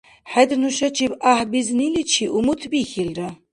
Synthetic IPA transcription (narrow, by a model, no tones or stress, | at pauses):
ħɛd̪nuʃɐt͡ʃʰibahbiznilit͡ʃʰiʔumut̪ʰbixilra